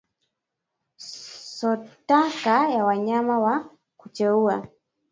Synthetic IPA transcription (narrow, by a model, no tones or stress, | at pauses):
sɔtakajawaɲamawa | kut͡ʃɛua